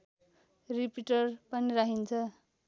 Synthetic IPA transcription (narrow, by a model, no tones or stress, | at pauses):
ripiʈʌrpʌniɾaɦint͡sʰʌ